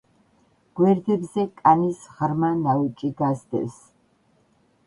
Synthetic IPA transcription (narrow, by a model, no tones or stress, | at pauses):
ɡ̥wɛɾd̪ɛbzɛkʼanisʁɾmanaut͡ʃʼiɡazd̪ɛ̰s